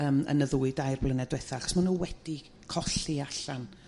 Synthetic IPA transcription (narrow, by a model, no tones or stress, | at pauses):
əːmə̰nəðuːɨdajrblənɛdwɛθaaχɔ̥smanuːwɛd̥i | kʰɔɬiaɬan